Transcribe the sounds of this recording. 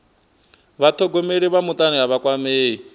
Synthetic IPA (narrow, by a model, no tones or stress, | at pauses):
βat̪ʰɔɡɔmeɺiβamut̪ʼaniɦaβakʼwameːɦi